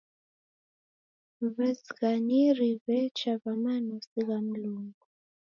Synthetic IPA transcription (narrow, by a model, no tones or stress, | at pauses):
βɛsiɣaniɾiβɛt͡ʃaβamanusiɣam̩luŋɡu